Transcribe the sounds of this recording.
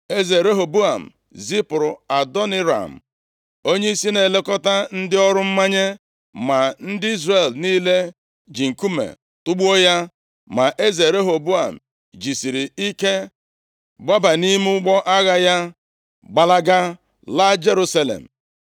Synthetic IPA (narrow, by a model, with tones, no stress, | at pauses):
e˦ze˨ɾe˦ɦo˨bu˦a˨m̩˨ | zi˦pʊ˨ɾʊ̰˨a˨dɔ˦ni˦ɾa̰˨m̩˨ | o˦ɲe˦i˦si˦ne˨le˦kɔ˦ta˦n̩˦dɪ˦ɔ˦ɾʊ˦m̩˦ma˦ɲe˦ | ma˨n̩˦dɪ˦i˦zre˨lniː˦le˦ | d͡ʒi˨ŋ̩˨ku˦mḛ˨ | tʊ˦ɡ͡bu˦o˦ja˦ | ma˨ʔe˦ze˨ɾe˦ɦo˨bu˦a˨m̩˨ | d͡ʒi˨si˨ɾi˨i˦ke˦ | ɡ͡ba˦ba˨ni˦m˦ʊ˦ɡ͡bɔ˦ʔa˦ɣa˦ja˦ | ɡ͡ba˨la˦ɡa˦ | la˦d͡ʒe˦ɾu˦sa˦lḛ˨m̩˨